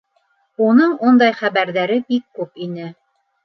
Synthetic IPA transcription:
unɤɴund̪ɑjχæβæɾðæɾɘbikːʉpinɘ

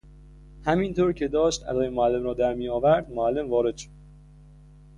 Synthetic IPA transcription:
hæmint̪ʰoːɾcʰe̞d̪ɒːʃt̪æ̰zɒːjemoælːe̞mɾɒːd̪æɾmijɒːvæɾd̪moælːe̞mvɒːɾe̞d̪̥ʃo̥d̪̥̚

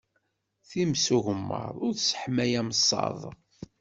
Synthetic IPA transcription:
θimsuʝəmːə̰ɾˤʊɾsə̥ħmæjæmsˤːɑ̰ðˤ

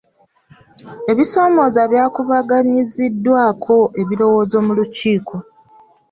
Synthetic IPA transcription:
e̞βiso̞ːmo̞zaβjaːkuβaɡaɲizidːwaːkʰo̞ʔe̞βilo̞wo̞ːzo̞muluciːkʰo̞

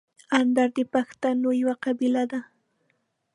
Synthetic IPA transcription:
and̪aɾd̪ɪpɑkt̪anʊjwaqɑbɪlad̪a

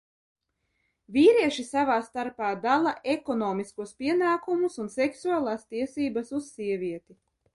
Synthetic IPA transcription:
vʲiːɾiɛʃisavaːst̪aɾpaːd̪alˠaʔekɔnɔːmiskuɔspʲiɛnaːkumusunsɛksuaːlˠaːst̪iɛsiːbasussiɛvʲiɛt̪i

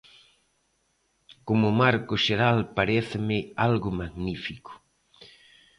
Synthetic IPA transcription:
komʊmaɾkʊʃeɾalpaɾeθɪmɪalɣʊmaɣnifikʊ̥

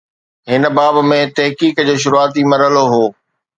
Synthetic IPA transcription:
ɦɪnə̆baːbmẽt̪ɐɦkiːkd͡ʑoːʃ̬ʊɾuaːt̪imɐɾəloɦoː

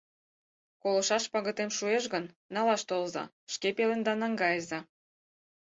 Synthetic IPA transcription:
kolɤ̆ʃɑʃpɑɣə̆t̪emʃueʃɣən | nɑlɑʃt̪olzɑ̰ | ʃkepelend̪ɑnɑŋɡɑjəzɑ

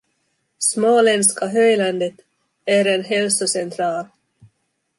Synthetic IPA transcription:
smoːlɛnskaɦœjland̪ət̪ | æɾenɦɛlsʊsɛnt̪ʰɾɑːl

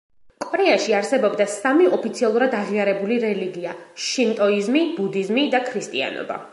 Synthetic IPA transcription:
kʼɔɾɛaʃiaɾsɛbɔbd̪asamiɔpʰit̪sʰialˠuɾad̪aʁiaɾɛbuliɾɛliɡiaʃint̪ʼɔizmibud̪izmid̪akʰɾist̪ʼḭa̰nɔ̰ba̰

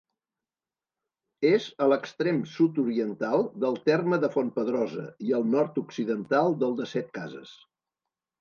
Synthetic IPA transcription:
ezələkst̪ɾemsut̪̬uɾiənt̪alˠd̪əlˠt̪ɛrməðəfonpəðɾɔzə̰iəlˠnɔɾt̪uksiðənt̪alˠd̪əlˠd̪əsɛt̪̚ka̰zə̰s

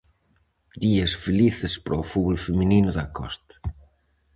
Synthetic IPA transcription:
d̪iesfeliθespɾoːfuɣolfemininʊðakɔ̰st̪ḁ

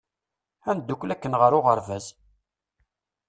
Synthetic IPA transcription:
ænd̪ukʷːlækːənʁəɾʊʁəɾvæz

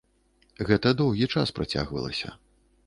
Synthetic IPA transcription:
ɣɛt̪ɐd̪ɔwɣʲit͡ʂaspɾɐt͡sʲa̰ɣvɐ̰lˠɐ̰sʲɐ̰

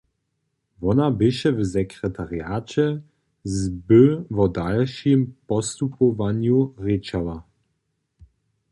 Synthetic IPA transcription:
vɔnabɪʃɛvzɛkʁɛtʰaʁjaːt͡ʃɛ | zbəvɔdalʃɪmpɔst̪upɔvanjuʁɪt͡ʃala

